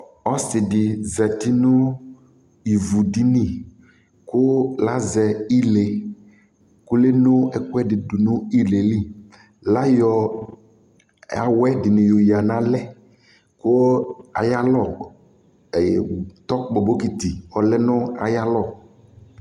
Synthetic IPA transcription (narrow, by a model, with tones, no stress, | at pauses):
ɔ˦sɪ˨dɪ˨zɛ˨ti˦nʊ˦ | i˨vu˨di˦ni˦˨ | kʊ˦la˦zɛ˨i˦le˨ | kʊ˦le˦nʊ˦ɛ˦kʊ˦ɛ˦dɪ˨dʊ˨nʊ̃˦i˦le˨li˦˨ | la˦jɔ˨ | a̰˨wɛ˦dɪ˨nɪ̃˨jo˨ja˨nã˨lɛ˦ | kʊ˦a̰˨ja˦lɔ˨ | t̪ɔ˦k͡pɔ˨bo˦ki˨t̪i˨ɔ˨lɛ˦nʊ̃˦a̰˨ja˦lɔ˦˨